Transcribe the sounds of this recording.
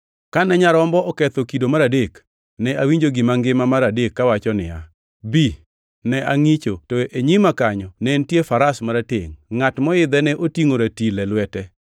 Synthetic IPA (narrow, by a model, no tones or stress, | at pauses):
kanɛɲaɾɔmbɔʔɔkɛt̪okidomaɾadek | nɛʔawiɲd͡ʒoɡɪmaŋɡɪmamaɾadekːawat͡ʃɔnɪ̰ja̰ | bi | nɛʔaŋit͡ʃotoʔeɲimakaɲɔnɛntjefaɾasmaɾateŋŋatmɔɪd̪ɛnɛʔotiŋoɾatilɛlwɛtɛ